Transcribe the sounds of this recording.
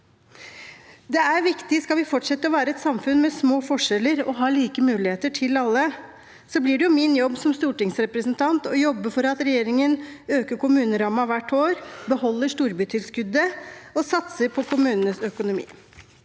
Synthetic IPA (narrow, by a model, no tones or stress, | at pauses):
d̪ɛæɾʋɪkt̪ɪskɑlʋɪfɔʈʂɛt̪ːəɔʋæːɾəɛt̪sɑmfʉnmɛsmoːfɔʂɛlːəɾɔɦɑːɭiːkəmʉːlɪheːt̪əʈʰɪlɑlːə | sɔblɪɖɛjʊmɪnjɔbːsɔmst̪uːʈɪŋsɾɛpɾəsənt̪ʰɑnt̪ɔjɔbːəfɔɾɑt̪ɾɛjeːɾɪŋənøːkəɾkʊmʉːnəɾɑːmɑʋæʈʰːoːɾbəhɔlːəʂt̪uːɾbyːt̪ʰɪlskʉd̪əɔsɑt̪səɾpʰɔkʰʊmʉːnənəsœkʊnʊmḭː